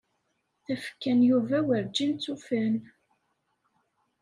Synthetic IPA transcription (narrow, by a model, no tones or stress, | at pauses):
θæfə̥kːænjuvæwəɾd͡ʒint͡sːufæn